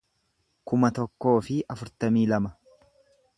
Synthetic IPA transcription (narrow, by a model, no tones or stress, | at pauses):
kʊmɐt̪ɔkːo̞ːfɪɐfʊɾt̪ɐmiːlɐmɐ